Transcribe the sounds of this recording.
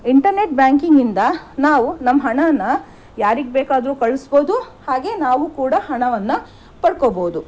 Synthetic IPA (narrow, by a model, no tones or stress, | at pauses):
iɳʈɐɾne̞ʈ̚bjaːŋkiŋɡind̪ɐnaːʋunɐmːɐɦɐɳɐɐnːɐ | jaːɾiɡbɛːkaːd̪ɾuːkɐɭusboːd̪u | haːɡe̞ːnaːʋukuːɽɐɦɐɳɐʋɐnːɐ | pɐɽkoːboːud̪u